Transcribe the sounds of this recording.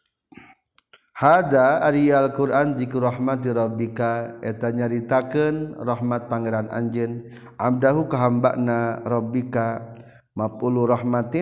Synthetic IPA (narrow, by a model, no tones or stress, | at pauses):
had̪aːɾialkuɾand͡ʒikuɾɔhmat̪iɾɔbikaɛt̪aɲaɾit̪akənrɔɦmat̪̚paŋeɾana̰ɲd͡ʒən | ʔamdaɦukaɦamba̰ʔnaɾɔbika | mapuluɾɔhmat̪i